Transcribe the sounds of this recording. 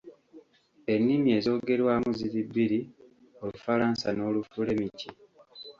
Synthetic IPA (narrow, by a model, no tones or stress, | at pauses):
e̞nːimie̞ːzo̞ːɡe̞ɾwaːmuziɾibːiɾi | o̞lufaɾaːnsa̰no̞ːlufule̞micʰi